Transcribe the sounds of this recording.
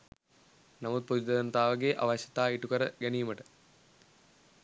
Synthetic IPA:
nɐmud̪̚pud̪ɐðɐnt̪aːʋɐɡeːʔɐ̰ʋɐɕɐ̥t̪ːaːiʈːukɐɾɐɡɐnijmɐʈɨ

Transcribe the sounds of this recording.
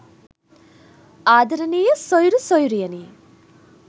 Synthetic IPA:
aːd̪ɐɾɐnijɐsɔjɾusɔjuɾujɐni

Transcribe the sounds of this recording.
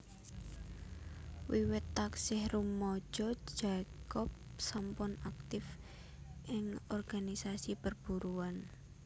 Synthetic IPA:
wiwɪt̪ːaksɪhrumɔd̥ʒ̥ɔ̥ʒ̥akɔp̚sampʊnak̚t̪ɪf | ʔɪŋɔrɡ̥anisasipərb̥uɾuan

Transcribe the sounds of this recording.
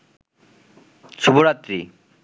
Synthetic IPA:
t͡sʰubuɾat̪ɾi

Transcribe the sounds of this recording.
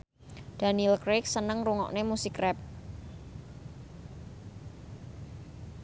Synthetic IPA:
d̥anilkɾek̚sənəŋruŋɔ̰ʔnemusikrɛp̚

